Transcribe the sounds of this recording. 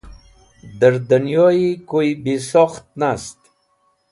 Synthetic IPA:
d̪aɾd̪anjɔikojbesɔχt̪̚nast̪

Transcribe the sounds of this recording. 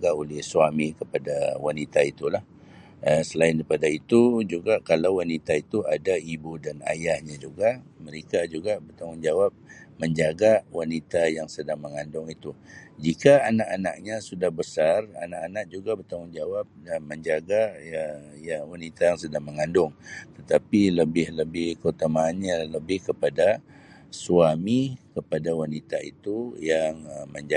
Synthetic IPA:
ɡaolɪhsuamikəpadawanit̪ait̪ulah | əsəlaɪndaipadait̪ud͡ʒuɡaʔkalawwanit̪ait̪uadaibudana̰jahɲad͡ʒuɡaməɾekad͡ʒuɡabərt̪aŋʊnd͡ʒawap̚məɲd͡ʒaɡawanit̪ajaŋsədaŋməŋandʊŋit̪ud͡ʒikaːnaʔana̰ʔ̚ɲasudahbəsara̰naʔanaʔ̚d͡ʒuɡabərt̪aŋʊnd͡ʒawap̚məɲd͡ʒaɡaəjawanit̪ajaŋsədaŋməŋandʊŋt̪ət̪apiləbɪhləbɪhkot̪əmaːnɲaləbɪhkəpada | suamikəpadawanit̪aḭt̪ujaŋəməɲd͡ʒa

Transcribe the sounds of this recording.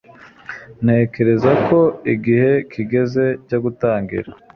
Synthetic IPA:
ne̞ːke̞ɾezakʰo̞iɡihe̞kʰiɡe̞ze̞coɡutaːŋɡḭɾa

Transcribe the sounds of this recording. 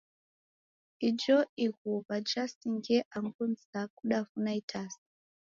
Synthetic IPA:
id͡ʒɔiɣuβad͡ʒasiŋɡɛʔaŋɡunzakuɗafunaitʰasi̥

